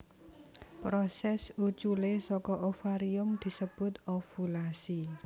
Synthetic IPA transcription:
pɾɔsɛsut͡ʃulesɔkɔʔofaɾiʊmd̪̥i̤səb̥ʊ̤t̪̚ofulasi

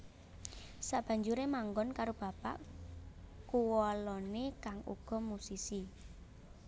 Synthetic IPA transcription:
saʔb̥ä̤ɲd͡ʒuɾemaŋɡɔnkaɾob̥a̤pa̰ʔ | kuwɔlɔnekaŋṵɡ̥ɔ̤musisi

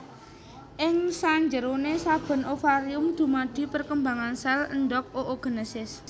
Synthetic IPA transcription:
ʔɪŋsaɲd͡ʒəɾonesab̥ə̤nʔofaɾiʊmd̪̥ṳmad̪̥i̤pərkəmbaŋansaləndɔk̚oʔoɡ̥ə̤nəsɪs

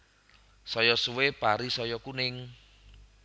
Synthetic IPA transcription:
sɔjɔsuwepaɾisɔjɔkunɪŋ

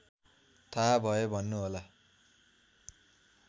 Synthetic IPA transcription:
t̪ʰabʱʌobʱʌnːuɦola

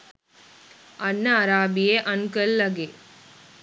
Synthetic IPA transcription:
ɐnːəːɾaːbijeʔənkəlːəɡe

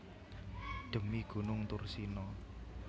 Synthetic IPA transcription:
ɖ̪̥ə̤miɡ̥ṳnʊŋt̪ʊrsinɔ

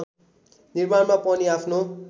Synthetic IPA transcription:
niɾmanmapʌniapʰno

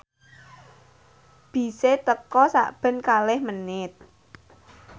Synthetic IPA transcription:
b̥i̤set̪əkɔsa̰ʔb̥ə̤nkalɛhmənɪt̪̚

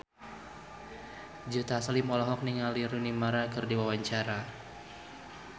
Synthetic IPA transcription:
d͡ʒut̪aːsalimɔlɔɦɔk̚niŋaliɾunimaɾakɨrdiwawaɲt͡ʃaɾa

